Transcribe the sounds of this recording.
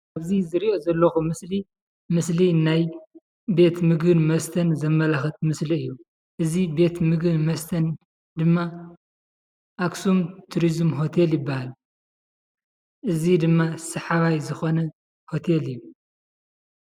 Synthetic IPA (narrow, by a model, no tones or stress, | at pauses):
ʔaβzizɨɾiʔo̞zɐlːɐxumɨsli | mɨslinaj | be̞t̪mɨɡɨnmɐst̪ʰɐnzɐmːɐlaxɐt̪mɨsliɨjːu | ʔɨzibe̞t̪mɨɡɨnmɐst̪ʰɐn | d̪ɨmːa | ʔaksumt̪ʰuɾizmɦot̪ʰeljɪbːahal | ʔɨzid̪ɨmːasɐħaβajzɨxonɐ | ho̞t̪ʰelɨjːu